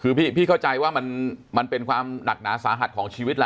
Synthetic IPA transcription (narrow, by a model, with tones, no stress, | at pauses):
kʰɯː˧piː˥˩pʰiː˥˩kʰa˥˩wt͡ɕa˧jwaː˥˩ma˧nma˧npe˧nkʰwaː˧mna˨˩k̚naː˩˦saː˩˦ɦa˨˩t̪̚kʰɔː˩˦ŋt͡ɕʰiː˧wi˦˥t̪̚la˦˧